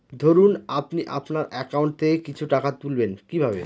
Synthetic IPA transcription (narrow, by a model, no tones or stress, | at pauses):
d̪ʱoɾunapniʔa̰pnaɾɛkauɳʈ̚t̪ʰekit͡ɕʰuʈakat̪ulbenkibʱabe